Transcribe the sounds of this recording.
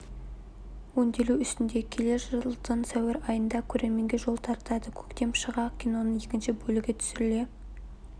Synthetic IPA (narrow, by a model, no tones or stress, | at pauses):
wo̞nd̪e̞luʏst̪ɪnd̪e̞kʲʰe̞le̞ʒəlˠd̪ənsæweɾɑjənd̪ɑkʲʰɵɾe̞ɾme̞ŋɡʲeʒo̞lˠt̪ʰɑɾt̪ɑd̪əkʲʰɵ̥kt̪e̞mʃəʁɑkʲʰino̞nəɴje̞kʲɪnʃɪbɵlɪɡʲe̞t̪ʰʏ̥sɪɾɪle̞